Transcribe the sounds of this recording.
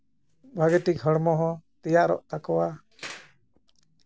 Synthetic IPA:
bʱaɡɛʈikɦəɽmɔɦɔ̃t̪ɛjaʔɾɔ̰ʔt̪akɔwa

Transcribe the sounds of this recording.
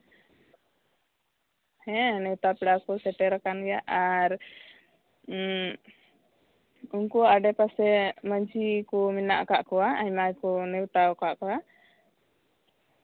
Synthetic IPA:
hɛ̃nɛwt̪apɛɽakɔsɛʈɛɾakanɡɛjaʔaɾ | unkuaɖɛpasɛməɲd͡ʒikɔminaʔkaʔkɔwaajmajkɔnɛwt̪awkaʔkɔwa

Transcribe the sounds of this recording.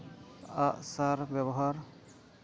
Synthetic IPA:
aʔsaɾbɛbɔɦaɾ

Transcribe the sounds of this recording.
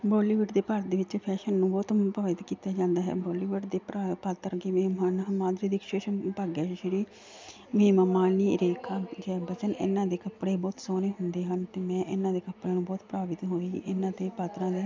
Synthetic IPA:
bɔːliːʋɪʈd̪eːpaɾd̪eːʋɪt͡ʃpʰɛːʃənːũːbɔːt̪pɾaːʋɪt̪kiːt̪aːd͡ʒãːnd̪aːɦɛ̰ːboːliːʋɪʈd̪eːpːpat̪ːəɾɡeːmeːmaːnmãːd̪ɾiːd̪ɪkʃeːʃənpəːɡɛːʃəɾiː | meːmaːmaːniːɾeːkʰaːd͡ʒɛːbət͡ʃənɪ̰nːãːd̪eːkəpɽeːbɔːt̪soːneːɦʊnd̪eːɦənt̪eːmɛ̃ːʔɪnːãːd̪eːkəpːɽeːnũːbɔːt̪pɾaːʋɪt̪ɦod̪iːḭːʔɪnːãːt̪ẽːpaːt̪ɾãːd̪eː

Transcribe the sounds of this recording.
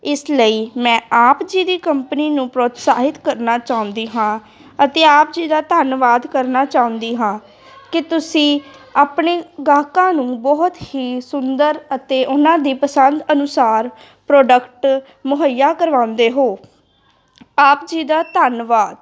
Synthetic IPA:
ɪsləiːmɛ̃ːaːpd͡ʒiːd̪iːkəmpəniːnũːpɾoːt̪saːɦɪt̪kəɾnaːt͡ʃaːʊ̃nd̪iːɦãː | ət̪eːaːpd͡ʒiːd̪aːt̪ənʋaːd̪kəɾnaːt͡ʃaːʊ̃nd̪iːɦãː | kɪt̪ʊsĩːaːpɳeːɡaːkãːnũːbɔːt̪hiːsʊnd̪əɾət̪eːʔʊnãːd̪iːpəsənd̪ənʊsaːɾ | pɾoːɖəkʈ | mʊɦəjaːkəɾʋãːʊ̃nd̪eːɦoː | aːpd͡ʒiːd̪aːt̪ənʋaːd̪

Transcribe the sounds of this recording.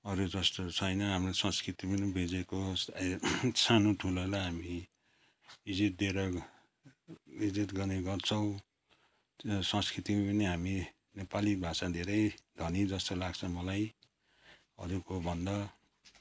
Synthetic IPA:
ʌɾud͡zʌst̪ot͡sʰʌjnʌɦamrosʌ̃skrit̪ipʌnibʱid͡zeko | sʰanoʈʰulolaɦami | bid͡zit̪̚d̪ʱeɾʌ | id͡zit̪ɡʌneɡʌrt͡sʰʌw̃ | sʌ̃skɾit̪ipʌniɦami | nepalibʱasad̪ʱeɾʌjd̪ʱʌnid͡zʌst̪olaɡt͡sʰʌ̃mʌlaj | ʌ̰ɾukobʱʌnd̪ʌ

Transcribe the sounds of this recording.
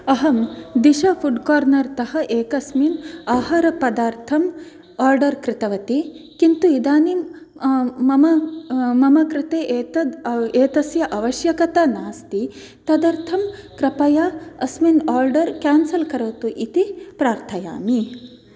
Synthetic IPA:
ɐɦɐmd̪iʃɐfuɖkaːɾnɐɾt̪ɐhɐ̆ʔeːkɐsminaːɦɐɾɐpɐd̪aːɾt̪ʰɐm | aːɾɖɐɾkɾɪt̪ɐʋɐt̪i | kint̪uid̪aːni | mɐmɐmɐmɐkɾɪt̪eːʔeːt̪ɐeːt̪ɐsjɐʔɐʋɐʃjɐkɐt̪anaːst̪i | t̪ɐd̪ɐɾt̪ʰɐmkɾɐpɐjaɐsminaːɾɖɐɾkaːnsɐlkɐɾoːt̪uʔit̪ipɾaːɾt̪ʰɐja̰ːmi

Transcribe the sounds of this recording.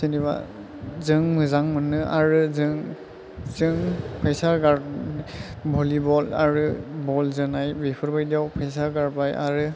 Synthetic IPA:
sɯniβa̰ | zɯŋmɯzaŋmɯnːɯʔaɹɯzɯŋ | zɯŋpʰajsaɡaɾ | bʱɔlibɔlaɹɯbɔlzɯnajbepʰɔɾbajdijawpʰajs̬aɡaɹbaja̰ɾɯ

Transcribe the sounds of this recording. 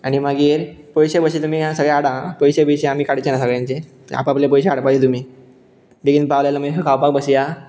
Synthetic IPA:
aɽ̃imaɡiːɾpɔjɕebəɕit̪um̤iːasəɡɭaaɽãpəjɕebəjɕeamiːkaɽit͡ɕenasəɡɭjãnt͡ɕe | a̰pə̃aplepəjɕeaɽapad͡ʑet̪um̤iː | d̪eɡinpaʋljalaməekʰawpak̚bəsija

